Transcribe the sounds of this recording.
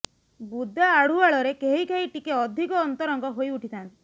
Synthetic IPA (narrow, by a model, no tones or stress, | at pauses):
bud̪ʱaːɽ̤uaɭɔɾekeɦikeɦiʈikeɔd̪ʱikɔːnt̪ɔɾɔŋɡɔɦojuʈʰit̪ʰant̪i̥